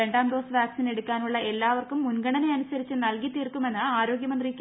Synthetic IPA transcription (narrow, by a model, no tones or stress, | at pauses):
e̞ɳɖaːmɖo̞ːsʋaːksine̞ɽukʲːaːnuɭːɐʔe̞lːaːʋɐrkumːunɡɐɳɐnejɐnusɐɾit͡ɕːɨnɐlkit̪ːirkːume̞nːɨaːɾo̞ːɡjɐmɐnd̪rikʲː